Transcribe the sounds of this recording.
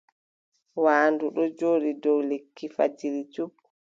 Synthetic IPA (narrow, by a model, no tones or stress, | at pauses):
waːnduɗɔd͡ʒoːɗidɔwlekʰːifa̰d͡ʒiɾid͡ʒub